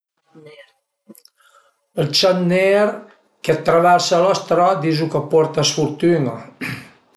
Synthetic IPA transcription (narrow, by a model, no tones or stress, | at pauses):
əlt͡ʃanːeɾ | kət̪ːɾəβasalɔst̪ɾɔd̪izukəpɔɾt̪əsfuɾt̪ynə